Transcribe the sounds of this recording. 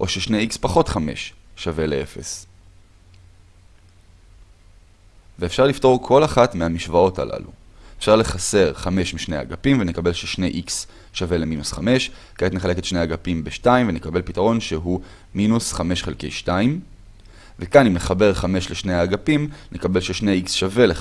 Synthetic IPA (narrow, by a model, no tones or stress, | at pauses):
ʔo̞ʃeʃne̞jikspaχo̞tχame̞̰ʃːave̞le̞e̞fe̞̰s | veːfʃaʁlifto̞ʁkʰo̞laχatmeamiʃvao̞ta̰lʔa̰lṵ | efʃaʁle̞χase̞ʁχame̞ʃmiʃneja̰ɡapimvenekabe̞lʃeʃne̞jʔiks | ʃave̞le̞minusχame̞ʃ | kaet̪neχaleke̞tʃnejaɡapimbeʃtaimvenekabe̞lpitaʁo̞nʃeɦu | minusχame̞ʃχelke̞̰jʃtaim | vekanimneχabe̞ʁχame̞ʃleʃnejaaɡapimnʔekabe̞lʃeʃne̞jiksʃave̞le